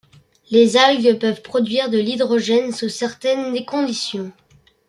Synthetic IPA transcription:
lezalɡpœvpχɔd̪ɥiʁd̪əlid̪ʁɔʒɛnsusɛʁt̪ɛnd̪ekɔ̃d̪isjɔ̃

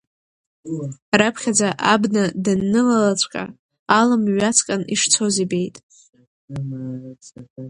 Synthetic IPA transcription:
rapʰχʲad͡zaʔabnadanːɨlalat͡sʷʼkʼa̰ | alamɥat͡sʰʼkʼanḭʂt͡sʰozibe̞jtʼ

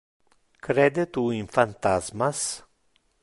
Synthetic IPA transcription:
kɾed̪et̪uinfant̪azmas

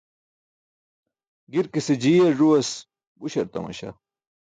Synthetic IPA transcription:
ɡiɾkised͡ʑiːɐʐuɐs | buɕɐɾt̪ɐ̰mɐ̰ɕɐ̰

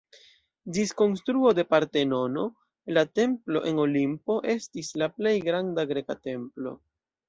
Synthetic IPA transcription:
disko̞nstɾuo̞de̞paɾte̞no̞no̞ | late̞mplo̞̰ʔe̞no̞limpo̞ʔe̞stislaple̞jɡɾandaɡɾe̞kate̞mplo̞̰

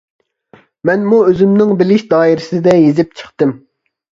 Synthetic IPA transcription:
mɛnmuøzymnɪŋbɪlɪʃd̪ɑːjiɾɪsɪd̪ɛjezɪp̚t͡ʃʰəχt̪ɨm

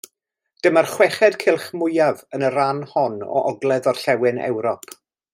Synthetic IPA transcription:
d̥əmərχwɛχɛdkʰɪlˠχmʊjavənəɾanhɔnɔ̰ʔɔɡlˠɛðɔrɬɛwɪnɛ̰wɾɔpʰ

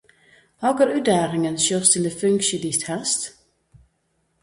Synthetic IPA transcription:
hɑɡəɾʉːd̪æːʁɪŋənʃøːʁst̪ʰɪld̪əfʉŋkʃəd̪ist̪hɛst̪

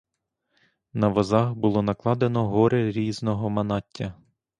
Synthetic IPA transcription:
nɐʋɔzɑxbʊlˠɔnɐklˠɑd̪enɔɦɔɾeɾʲiznɔɦɔmɐnɑtʲːɐ

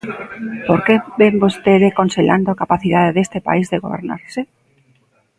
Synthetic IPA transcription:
poɾkebembost̪eðekonseʎa̰nd̪oakapaθiðaðeðest̪epa̰izðeɣoβḛɾna̰ɾse

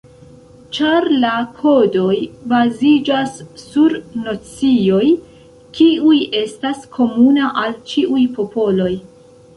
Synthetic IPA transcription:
t͡ʃaɾlakʰo̞do̞jbazid͡ʒasːuɾnot͡sio̞j | kʰiuje̞staskʰo̞munaʔalt͡ʃiʔujpo̞po̞lo̞j

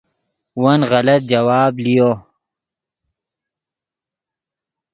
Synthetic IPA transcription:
wɐnɣɐlɐt̪̚d͡ʒɐwaːblijo

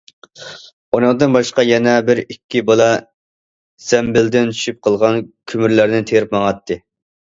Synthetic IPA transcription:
onɑŋd̪ɨnbɑʃqɑjɛnɛbɪɾikʲːibɑlˠɑ | z̥ɛmbɪld̪ɪnt͡ʃ̪ʰy̥ʃyp̚qʰəlˠʁɑnkʲʰymyɾlæɾnɪt̪ʰeɾɪpmɑŋɑt̪ʰːɨ

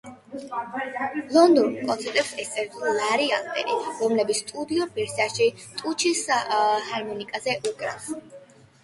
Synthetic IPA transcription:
lˠɔnd̪ɔnkʼɔnsʰɛɾt̪ʼɛpsɛst̪sʼɛɾilaɾiald̪ʼɛ̰ɾḭɾɔmlɛbit̪sʰst̪ʼud̪iɔbɛɾsiaʃit̪ʼut͡ʃʰishaɾmɔnikʼazɛʔukʼɾa̰s

